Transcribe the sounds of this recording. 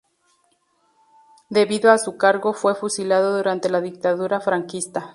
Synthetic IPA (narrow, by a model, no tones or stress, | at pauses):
d̪e̞βiðoasukaɾɣo̞fwe̞fusilaðo̞ðuɾant̪e̞laðik̚t̪aðuɾafɾaŋkist̪a